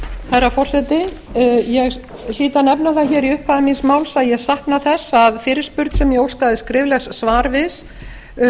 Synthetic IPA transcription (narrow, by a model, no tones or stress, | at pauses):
haɾafɔr̥sɛt̪ɪjɛɣ | liːt̪anɛpnaθaçɛːɾiʏhphaðɪminsmaːwlsaðjɛɣsahknaθɛsːaðfɪːɾɪɾ̥spʏɾt̪sɛmjɛowskaːðɪskɾɪːvlɛxsːvaːɾvɪs